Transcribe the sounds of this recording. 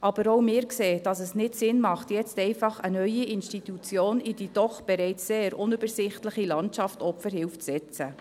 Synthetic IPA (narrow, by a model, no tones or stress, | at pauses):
ʔɑbəɾowmɪːɾkseːd̥ɑsəsnɪtsɪnmɑχtjɛt͡stɛɪfɑχənœʏiɪnʃtitut͡sjoːnidid̥ɔχb̥ɛɾɛɪt͡sseːɾʊnybəɾsɪχtləχilɑntɑftɔpfəɾhɪlft͡sɛt͡sə